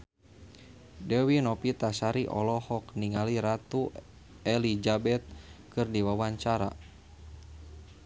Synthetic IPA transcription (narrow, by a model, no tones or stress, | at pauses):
dɛwinɔpit̪asaɾiʔɔ̰lɔhɔkniŋaliɾat̪u | ɛlid͡ʒabɛt̪̚kɨrdiwawaɲt͡ʃaɾa̰